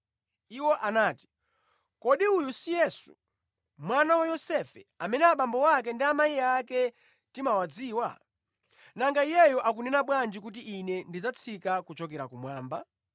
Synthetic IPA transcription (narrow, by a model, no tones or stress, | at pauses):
iwɔʔanaːti̥ | kɔɗiujusijɛsṵ | mwanawajɔsɛfɛ̰amɛnɛaɓambɔwak̬ɛndiamaiakɛ | timawad͡ziːwa̰ | naŋɡaijɛjɔʔakunɛnaɓwand͡ʒikut̬iʔinɛndid͡zat͡sʰikakut͡ʃɔk̬ɛɾakumwaːmba